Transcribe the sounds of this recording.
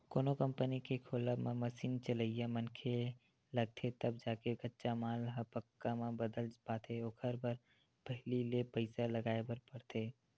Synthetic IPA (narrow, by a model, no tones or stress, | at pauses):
koːnokə̃mpənikekʰoːlamẽməsiːnt͡ʃələijamənkʰe | lɐɡ̚t̪ʰet̪ɐbd͡ʒaːkeɡətːʃamaːlɦapəkːamãbəd̪əld͡ʒbaːt̪ʰeoːkʰəɾbəɾ | bəɦlilepəɪsalɐɡaːebəɾpɐɽt̪ʰeː